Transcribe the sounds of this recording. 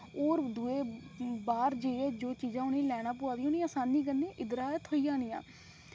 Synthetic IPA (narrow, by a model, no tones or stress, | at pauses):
oːɾd̪ueːbaːɾd͡ʒeːed͡ʒoːt͡ʃiːzãːʊnĩːlɛːɽãːp̬ʊaːd̪iːoːnĩːaːsaːnːiːk̬ənẽːʔɪd̪ɾaːt̪ʰoːiːãːnijã̰ː